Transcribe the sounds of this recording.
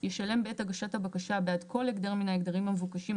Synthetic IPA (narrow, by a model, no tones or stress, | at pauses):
jeʃale̞mbeethaɡaʃathabakaʃabeadkʰo̞leɡd̪aʁminaeɡdaʁimhamevukaʃim